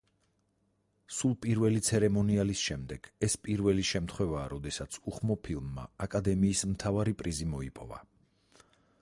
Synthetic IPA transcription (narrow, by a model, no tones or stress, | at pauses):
sulˠpʼiɾvɛlit̪sʰɛɾɛmɔnialisʃɛmd̪ɛɡ̥ɛspʼiɾvɛliʃɛmt̪ʰχwɛvaːɾɔd̪ɛsat̪sʰuχmɔpʰilˠmːa̰akʼad̪ɛmiːsmt̪ʰavaɾipʼɾizimɔipʼɔ̰va̰